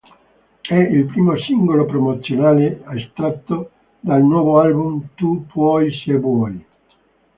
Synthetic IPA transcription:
ɛilpɾiːmosiŋɡolopɾomot̪sːjonaːleast̪ɾat̪ːo | d̪alnwɔːvoalbumt̪upwɔjsebwɔj

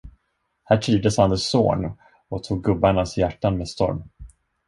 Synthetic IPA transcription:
hæːʈʰɾiːvd̪əshand̪əsːo̰ːn | ɔt̪ʰuːɡ̚ːɵbːaɳasjæʈːanmeːd̪st̪ɔ̰ɾm

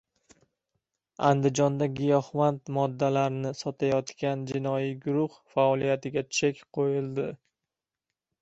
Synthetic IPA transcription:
a̰nd̪ɪd͡ʒɒnd̪aɡʲɪjɒhmant̪mɒd̪ːalaɾnɪsɒt̪ʰajɒt̪kʲand͡ʒɪnɒjiɡʊɾʊhfaɒlˠijat̪ɪɡʲat͡ʃʰekʲqʰojɪlˠd̪ɪ

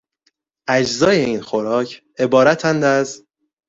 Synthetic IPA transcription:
ʔæd͡ʒzɒːje̞iːnxoɾɒːcʰ | e̞bɒːɾæt̪ʰænd̪æz

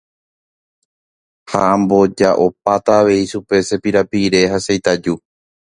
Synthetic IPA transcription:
ha̰ãmbo̞d͡ʒaʔo̞p̚at̪aːʋe̞iʃupe̞se̞piɾapiɾe̞ɦasejt̪ad͡ʒu

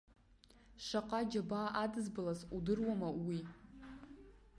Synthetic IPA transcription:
ʃʷaqʼad͡ʒabaʔadɨzbɨlazudɨrwamawi

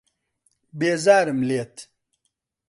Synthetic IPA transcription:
beːzaːɾəmleːt̪

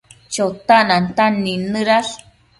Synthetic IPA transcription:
t͡ʃot̪anant̪anːinɨɾaɬ

